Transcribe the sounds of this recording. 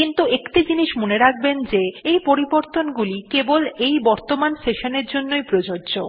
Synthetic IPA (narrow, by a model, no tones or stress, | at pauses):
kint̪uekʈid͡ʑiniʃmoneɾak̚ʰbend͡ʑeejpoɾiboɾt̪onɡulikebolejbɔɾt̪omanseʃoneɾd͡ʑonːojpɾod͡ʑoɾd͡ʑo